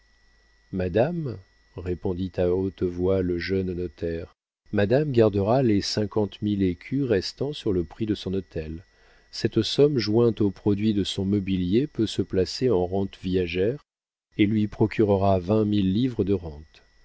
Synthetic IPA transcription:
mad̪am | ʁepɔ̃d̪it̪aot̪vwaləʒœnnɔt̪ɛʁ | mad̪amɡaʁd̪əʁalesɛ̃kɑ̃t̪milekʲʰyʁɛst̪ɑ̃syʁləpχid̪əsɔ̃nɔt̪ɛl | sɛt̪sɔmʒwɛ̃t̪opχɔd̪ɥid̪əsɔ̃mɔbiljepøsəplaseɑ̃ʁɑ̃t̪vijaʒɛʁ | elɥipχɔkʲʰyʁəʁavɛ̃milːivʁəd̪əʁɑ̃t̪

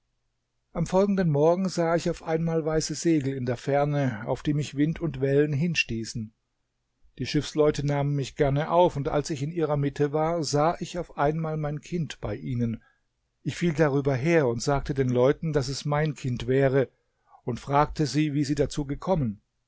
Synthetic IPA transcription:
ʔamfɔlɡŋ̩dənmɔɐɡŋ̩zaːɪçaʊfʔaɪnmaːlvaɪsəzeːɡl̩ɪndeːɐfɛɐnəa̰ʊfd̥iːmɪçv̥ɪntʰʊntv̥ɛlənɦɪnʃtiːsn̩ | d̥iːʃɪfslɔʏtənaːmənmɪçɡ̥ɛɐnəʔaʊfʊntʔa̰lsɪçɪnʔiːʁɐmɪtʰəvaːɐzaːʔɪçaʊfʔaɪnmaːlmaɪnkʰɪntb̥aɪʔiːnən | ʔɪçfiːldaʁ̞yːbɐɦeːɐʊntz̥aːk̚tədeːnlɔʏtn̩das̬ɛsmaɪnkʰɪntv̥ɛːʁ̞ə | ʊntfʁ̥aːk̚tʰəziːviːziːdat͡suːɡəkʰɔmən

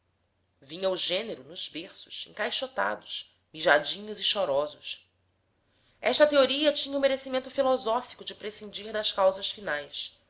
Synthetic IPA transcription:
vĩɲɐuʒẽneɾʊnʊz̥beχsʊ̥ʃḛ̃ŋkajʃot̪a̰d̪ʊʃ | miʒad͡ʒĩɲʊziʃɔɾɔzʊʃ | ɛʃt̪ɐt̪eoɾiɐt͡ʃĩɲɐʊmeɾesimẽnt̪ʊfilɔzɔfi̥kʊd͡ʒɪpɾesĩnd͡ʒihd̪ɐskawzɐʃfinajs

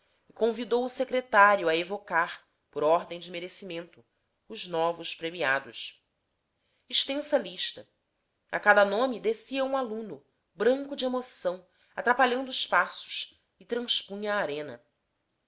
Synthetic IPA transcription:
ɪkõvid̪owʊsekɾet̪aɾijuɐevokaɾ | pʊɾɔɾd̪ẽj̃d͡ʒɪmeɾesimẽnt̪ʊ | ʊznɔvʊʃpɾemiad̪ʊs | iʃt̪ẽsɐliʃt̪ɐ | a̰kad̪ɐnõmid̪esiɐũalũnʊ | bɾɐ̃ŋkʊd͡ʒɪemosɐ̃w̃ | at̪ɾapaʎɐ̃nd̪ʊːʃpasʊ̥ʃ | ɪt̪ɾɐ̃spũɲaːɾẽnɐ̰

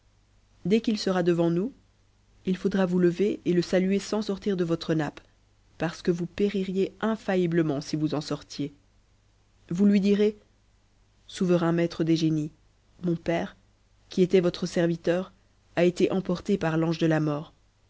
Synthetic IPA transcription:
d̪ɛkilsəʁad̪əvɑ̃nu | ilfod̪ʁavuləveeləsalyesɑ̃sɔʁt̪iʁd̪əvɔt̪χənap | paʁsə̥kəvupeʁiʁjeɛ̃fajibləmɑ̃sivuzɑ̃sɔʁt̪je | vulɥid̪iʁe | suvəʁɛ̃mɛt̪χəd̪eʒeni | mɔ̃pɛːʁ | kʲiet̪ɛvɔt̪χəsɛʁvit̪œːʁ | aet̪eʔɑ̃pɔʁt̪epaʁlɑ̃ʒd̪əlamɔːʁ

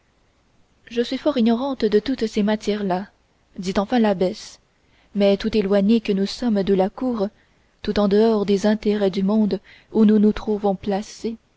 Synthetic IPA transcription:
ʒəsɥifɔʁiɲɔʁɑ̃t̪d̪ət̪ut̪semat̪jɛʁla | d̪it̪ɑ̃fɛ̃labɛs | mɛt̪ut̪elwaɲekənusɔmd̪əlakuːʁ | t̪ut̪ɑ̃d̪əɔʁd̪ezɛ̃t̪eʁɛd̪ymɔ̃d̪ | ununut̪χuvɔ̃plase

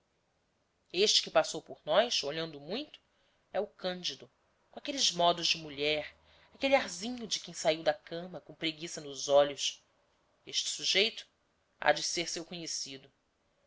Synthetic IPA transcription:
eʃt͡ʃɪ̥kɪpasowpʊɾnɔjsoʎɐ̃nd̪ʊmũj̃t̪ʊ̥ | ɛʊkɐ̃nd͡ʒid̪ʊ | kõakelɪzmɔd̪ʊzd͡ʒɪmuʎɛɾ | akeliaɾzĩɲʊd͡ʒɪkẽj̃saiwd̪ɐkɐ̃mɐkõw̃pɾeɡisɐnʊzɔʎʊs | eʃt͡ʃɪ̥suʒejt̪ʊ̥ | a̰d͡ʒɪseɾsewkõɲesid̪ʊ

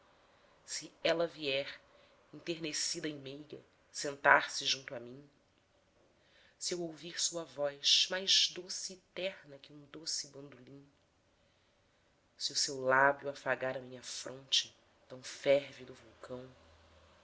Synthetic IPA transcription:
sɪɛlɐviɛɾ | ĩt̪eɾnesid̪ɐimejɡɐ̰ | sẽnt̪aɾsɪʒũnt̪ʊamĩ | sɪewowviɾsuɐvɔjʃmajʒd̪osɪːt̪ɛɾnɐkɪũd̪osɪbɐ̃nd̪ulĩɲ | sɪʊsewlabjuafaɡaɾɐmĩɲɐfɾõnt͡ʃɪ̥ | t̪ɐ̃w̃fɛɾvid̪ʊvuwkʰɐ̃w̃

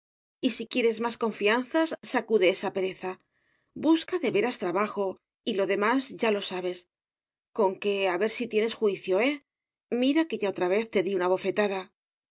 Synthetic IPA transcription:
isikje̞ɾe̞zmasko̞ɱfian̟θasːakuðe̞esape̞ɾe̞θa | buskaðe̞βe̞ɾast̪ɾaβaxo̞ | ilo̞ðe̞mazʝalo̞saβ̞e̞s | ko̞ŋke̞aβe̞ɾsit̪je̞ne̞sxwiθjo̞e̞ | miɾake̞ʝao̞t̪ɾaβ̞e̞θt̪e̞ðiunaβ̞o̞fe̞t̪aða

